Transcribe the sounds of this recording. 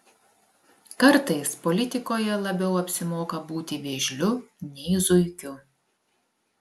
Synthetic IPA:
kɐɾt̪ɐɪspɔlʲɪt̪ʲɪkoːjɛlˠɐbʲɛʊɐpʲsʲɪmoːkɐbuːt̪ʲɪʋʲeːʒʲlʲʊnʲɛɪzʊɪkʲʊ

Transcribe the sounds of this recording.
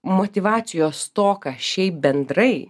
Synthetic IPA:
moːt̪ʲɪʋɑːt͡s̪ʲɪjoːst̪oːkɐʃʲɛɪp̚bʲɛnd̪ɾɐɪ

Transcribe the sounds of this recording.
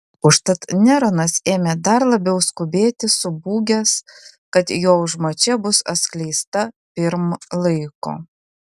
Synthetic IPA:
pʊʃt̪ɐt̪nʲɛɾɐnɐseːmʲed̪ɐɾlˠɐbʲɛʊskʊbʲeːt̪ʲɪsʊbuːɡʲɛskɐt̪joːʊʒmoːt͡ʃʲɛbʊsɐt̪sʲklʲɛɪst̪ɐ | pʲɪɾmlˠɐɪko̰ː

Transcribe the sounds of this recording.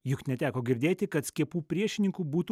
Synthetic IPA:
jʊknʲɛt̪ʲæːkoːɡʲɪɾʲd̪ʲeːt̪ʲɪkɐt̪sʲkʲiɛpuːpʲɾʲiɛʃʲɪnʲɪŋkuːbuːt̪u

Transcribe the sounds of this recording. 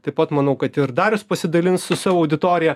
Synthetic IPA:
t̪ɐɪpɐt̪mɐnɐʊkɐt̪ɪɾd̪ɑːɾʲʊspɐsʲɪd̪ɐlʲɪnssʊsɑːʋoɐʊd̪ʲɪt̪oːɾʲɪjɛ

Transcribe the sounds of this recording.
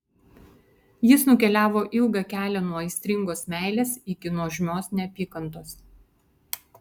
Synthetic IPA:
jɪsnʊkʲɛlʲæːʋoːʔɪlˠɡɐkʲæːlʲɛnuɔɐɪsʲt̪ʲɾʲɪŋɡoːsmʲæˑɪlʲeːsɪkʲɪnɔʒʲmʲoːsnʲɛɐpʲiːkɐnt̪oːs

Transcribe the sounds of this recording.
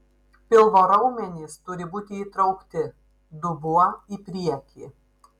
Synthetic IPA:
pʲɪlˠʋoːɾɐʊmʲɛnʲiːst̪ʊɾʲɪbuːt̪ʲɪːt̪ɾɒʊkt̪ʲɪ | d̪ʊbuɔiːpʲɾʲiɛkʲiː

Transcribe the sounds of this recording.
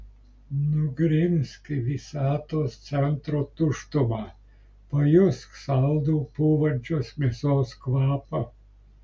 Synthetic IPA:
nʊɡɾʲɪnʲsʲkʲɪʋʲisɑːt̪oːst̪sʲɛnt̪ɾoːt̪ʊʃt̪ʊmɑː | pɐjʊsksɑʊd̪uːpoːʋɐɾʲd͡ʒʲoːsmʲeɛsoːskʋɑːpɐ

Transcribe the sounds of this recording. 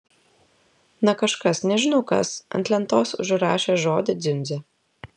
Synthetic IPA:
nɐkɐʃkɐsnʲɛʒʲɪnɔʊkɐ̰sɐ̰nʲt̪ʲlʲɛnt̪oːsʊʒʊɾɑːʃʲeːʒoːd̪ʲɪd̪zʲʊnʲzʲe

